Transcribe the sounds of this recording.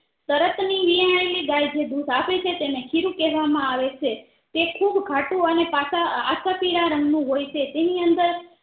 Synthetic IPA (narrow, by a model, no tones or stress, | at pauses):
t̪əɾət̪niʋiaeliɡajd͡ʒed̪usapet͡ʃʰet̪enekʰiɾũkɛɦʋamãaʋet͡ʃʰe | t̪ekʰubɡʱaʈũənepasaa̰sapiɾaɾə̃ŋɡnũɦojt͡ʃʰet̪eniənd̪əɾ